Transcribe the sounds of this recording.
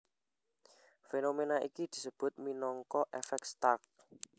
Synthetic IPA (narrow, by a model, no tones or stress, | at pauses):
fenomenaʔikid̪̥i̤səb̥ʊ̤t̪̚minɔŋkɔʔefɛk̚st̪ak̚